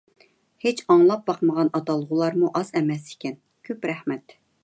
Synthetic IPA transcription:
het͡ʃʰɑŋlˠɑp̚bɑqməʁɑnɑt̪ɑlˠːəʁʊlˠɑɾmuʔɑzɛmɛse̥kʲɛn | kʲʰøpɾɛhmɛt̪

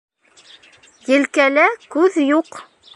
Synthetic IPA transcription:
jɘ̆lkælækʉðjuq

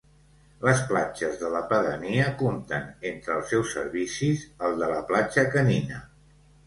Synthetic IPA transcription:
ləsplad͡ʒəzðələpəðəniəkomt̪ənent̪ɾəːlˠsɛwsə̰ɾβisizəlˠd̪ələplad͡ʒəkəninə

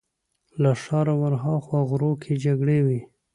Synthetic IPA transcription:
laʂɑɾawaɾɦɑxwaɣɾokʰed͡ʒaɡɽewi

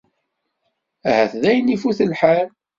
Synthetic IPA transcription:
æhæθðæjənifuθəlħal

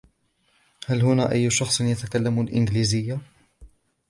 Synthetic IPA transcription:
hælhʊnæːʔajːʊʃɑxsˤnjat̪akalːamʊlʔɪnɡliːzɪjːa

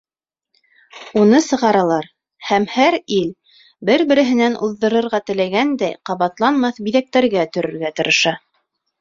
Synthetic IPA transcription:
unɤsɤ̆ʁɑɾɑlˠɑɾ | hæmhæɾil | bɘɾbɘ̆ɾɘ̆ɦɘ̆nænʔuðːɤ̆ɾɤ̆ɾʁɑt̪ɘ̆læɡænd̪æjqɑβɑt̪lˠɑnmɑθbiðæk̚t̪æɾɡæt̪ɵ̆ɾɵ̆ɾɡæt̪ɤ̆ɾɤ̆ʃɑ

